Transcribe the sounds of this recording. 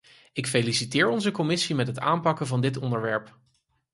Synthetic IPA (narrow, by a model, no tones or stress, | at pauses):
ɪkfejlisitɪːɹɔnzəkɔmɪsimɛtɦəta̰ːmpɑkənvɑndɪtɔndəɹʋɛɹp